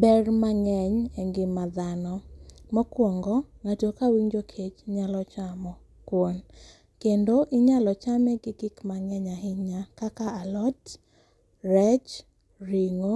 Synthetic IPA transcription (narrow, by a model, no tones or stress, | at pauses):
bɛrmaŋɛɲɛŋɡɪmad̪anɔmɔkwɔŋɡɔŋatokawiɲd͡ʒokʰet͡ʃɲalɔt͡ʃamɔ | kwon | kendoʔiɲalɔt͡ʃamɛɡɪɡɪkmaŋɛɲaɦɪɲakakaalɔt | rɛt͡ʃ | riŋo